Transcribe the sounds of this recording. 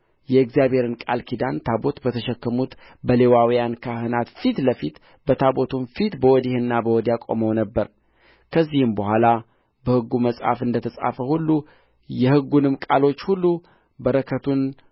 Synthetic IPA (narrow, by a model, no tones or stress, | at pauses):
jɛɨkzijabhe̞ɾɨnkʼa̰lkʰid̪ant̪ʰabo̞t̪bət̪ʰəʃɛkːəmut̪ | bəlewawijankʰahɨnat̪fit̪ləfit̪ | bət̪ʰabo̞t̪ʰunfit̪bəwɔd̪ihɨnːabəwɔd̪ijakʼo̞̰məwnəbːəɾ | kʰəzːihɨmbəhʷala | bəhɨɡːuməsʼha̰fɨnd̪ət̪ʰəsʼa̰fəhulːu | jɛhɨɡːunɨmkʼalo̞t͡ʃːhulːu | bəɾəkʰət̪ʰun